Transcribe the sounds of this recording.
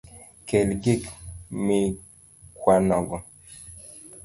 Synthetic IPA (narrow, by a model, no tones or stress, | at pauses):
kɛlɡekmi | kwanɔɡɔ